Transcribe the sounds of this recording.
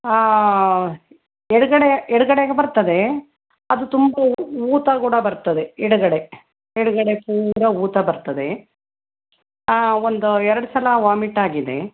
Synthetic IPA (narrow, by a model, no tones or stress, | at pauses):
ɛɽuɡɐɽeɛɽuɡɐɽeɡebɐɾt̪ɐd̪e̞ | ɐd̪ut̪umbɐuːt̪ɐkuːɽɐbɐɾt̪ɐd̪e̞ɛɽuɡɐɽe̞ | ɛɽuɡɐɽe̞puːɾɐuːt̪ɐbɐɾt̪ɐd̪e̞ | ond̪uɛɾɐɽusɐlɐʋaːmiʈaːɡid̪e̞